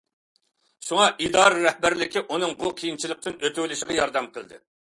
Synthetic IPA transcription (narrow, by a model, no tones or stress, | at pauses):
suŋɑʔid̪ɑːɾɨɾɛhbæɾlɪkʲiʔunɨŋbuqʰijint͡ʃʰilˠək̚t̪ɪnøt̪ʰywlɪʃɪʁɑjɑɾd̪ɛmqʰəlˠd̪ɨ̰